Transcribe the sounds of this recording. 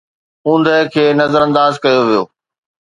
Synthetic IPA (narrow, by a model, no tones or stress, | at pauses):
ũːn̆d̪əkʰeːnɐzəɾɐ̃nd̪aːzkɐjoʋijo̰ː